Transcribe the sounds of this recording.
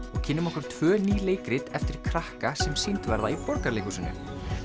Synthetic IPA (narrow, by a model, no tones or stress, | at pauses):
ɔɣcʰɪnːʏmɔhkʏɾ̥t̪ʰvœːniːleːjkɾɪt̪ɛft̪ɪɾ̥kʰɾahkasɛmsejnt̪vɛɾðaipɔɾkaɾlejkʏsɪnːʏ̰